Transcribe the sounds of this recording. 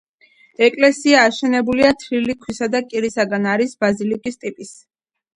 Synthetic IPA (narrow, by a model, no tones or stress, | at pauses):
ɛkʼlɛsiaːʃɛnɛbuliat̪ʰlilikʰwisad̪akʼiɾisaɡanaɾisbazilikʼist̪ʼipʼis